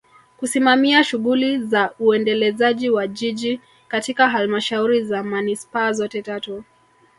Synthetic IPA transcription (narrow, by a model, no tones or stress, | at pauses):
kusimamiaʃuɣulizauɛndɛlɛzaʄiwaʄiʄi | katikaɦalmaʃauɾizamanispaːzɔtɛtatɔ